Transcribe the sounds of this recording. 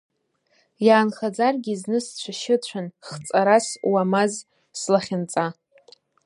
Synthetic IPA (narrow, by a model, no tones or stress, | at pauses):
jaːnχad͡zarɡʲiznɨst͡ɕʷʰaʃɪt͡ɕʷʰanχt͡sʼaɾaswamaz | slaχʲɪnt͡sʼa